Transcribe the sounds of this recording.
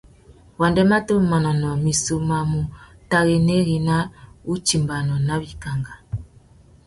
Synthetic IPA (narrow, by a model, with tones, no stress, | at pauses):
wa˨ndɛ˦ma˦to˦ma˨nɔ˨nɔ˨mi˨su˨ma˨mu˨ta˨ɣe˨ne˦ɣi˨na˦u˦t͡ʃi˨mba˨nɔ˨na˦bi˦ka˨ŋɡa˨